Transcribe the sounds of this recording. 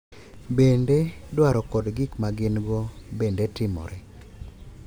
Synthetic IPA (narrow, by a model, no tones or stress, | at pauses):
bendedwaɾɔkɔdɡɪkmaɡɪnɡɔbendetɪmɔ̰ɾɛ